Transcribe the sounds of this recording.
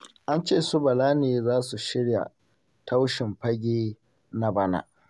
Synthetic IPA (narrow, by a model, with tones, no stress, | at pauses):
ʔa˦nt͡ʃeː˦˨sʊ˦bɐ˨laː˦neː˨zaː˦su˨ʃɪ˦ɽja̰˨ | tʰa˦wʃɪ˨mɸɐ˦ɡʲeː˦ | na˦ba˦na̰˨ʔ